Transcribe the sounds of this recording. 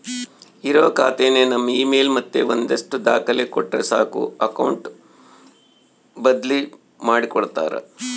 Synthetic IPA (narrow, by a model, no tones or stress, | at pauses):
iɾɐʋɐkaːt̪eːnenɐmːɐiːmeːlmɐt̪ːeʋond̪ɐʂʈud̪aːkɐlekɔʈːɾesaːkṵɐkɐwɳʈ | bɐd̪li | maːɽikɔɽt̪a̰ːɾɐ̰